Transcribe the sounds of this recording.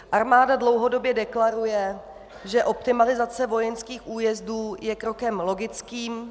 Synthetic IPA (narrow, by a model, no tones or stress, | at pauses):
ʔaɾmaːdadlo̞wɦo̞do̞bjɛdɛklaɾujɛ | ʒɛʔo̞pt̪ɪmalɪzat͡sɛvo̞jɛnskiːxʔuːjɛzduːjɛkɾo̞kɛmlo̞ɡɪt͡skiːm